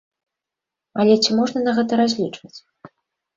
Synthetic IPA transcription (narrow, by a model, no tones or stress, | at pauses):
ɐlʲɛt͡sʲimɔʐnɐnɐɣɛt̪ɐɾazʲlʲit͡ʂvɐt͡sʲ